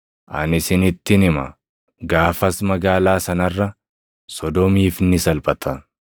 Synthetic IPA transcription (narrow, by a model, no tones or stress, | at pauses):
ʔɐ̰nɪsɪnɪt̪ːɪnɪmɐ | ɡaːfɐsmɐɡaːlaːsɐnɐrːɐ | sɔd̪ɔmiːfnɪsɐlpʼɐt̪ʰɐ